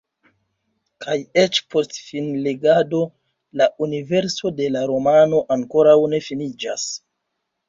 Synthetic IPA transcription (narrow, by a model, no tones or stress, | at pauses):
kʰaje̞t͡ʃpʰo̞stfinle̞ɡado̞ | launive̞ɾso̞de̞laɾo̞mano̞ʔaŋko̞ɾawne̞finid͡ʒa̰s